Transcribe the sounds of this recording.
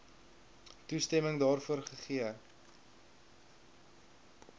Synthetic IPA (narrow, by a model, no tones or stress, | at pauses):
tustɛməŋdɑːrfuərχəχiə